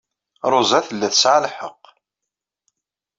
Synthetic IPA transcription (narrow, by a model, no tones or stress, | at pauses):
ɾˤʊzæθəlːæθəsʕalħəqː